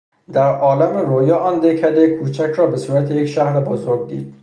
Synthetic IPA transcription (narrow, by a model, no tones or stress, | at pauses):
d̪æɾʔɒːlæmeɾojɒːʔɒːnd̪ekʰæd̪ekʰuːt͡ʃʰækʰɾɒːbesuːɾæt̪ʰejecʃæhɾebozoɾɡ̚d̪ḭːd̪̥̚